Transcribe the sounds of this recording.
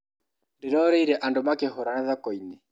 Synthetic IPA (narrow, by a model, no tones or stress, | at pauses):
ndiɾɔɾɛiɾɛʔandomakɛɦɔɾanaðakɔinɛ